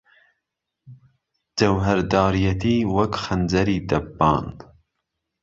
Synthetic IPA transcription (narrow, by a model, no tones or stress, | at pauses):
d͡ʒɐwɦɐɾd̪ɑːɾijɐt̪iːwɐkxɐnd͡zɐɾiːd̪ɐbbɑ̰ːn